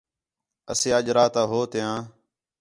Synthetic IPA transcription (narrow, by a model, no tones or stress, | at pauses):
əseːəʄɾaːt̪aːɦoːt̪ɪjãː